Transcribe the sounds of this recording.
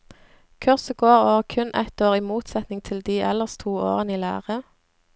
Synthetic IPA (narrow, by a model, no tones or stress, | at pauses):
kʰʉʁsəɡoːʁoːʁkʰʉnʔæ̰t̪oːʁiːmuːt̪sɛt̪nɪŋt̪ʰɪld̪iːʔɛ̰ləʁst̪ʰuːo̰ːʁəniːlæ̰ːʁə